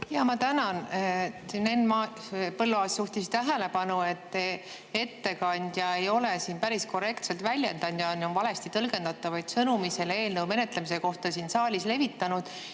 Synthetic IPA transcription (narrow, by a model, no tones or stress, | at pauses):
jɑmɑt̪ænɑn | nenmɑ | pɤlːuɑːsjuht̪ist̪æɦele̞pɑnue̞t̪ːe | e̞t̪ːe̞kɑnʲd̪̥jɑe̞jo̞lesiːnpæɾisko̞re̞kt̪selt̪vælʲjend̪ɑnd̪jɑnonvɑle̞st̪it̪ɤlɡe̞nd̪ɑt̪ːˑɑvɑjd̪̥sɤnumise̞lee̞ːlnɤwme̞ne̞t̪lemise̞ko̞ht̪ɑsinsɑːlʲisle̞vit̪ːˑɑnud̪̥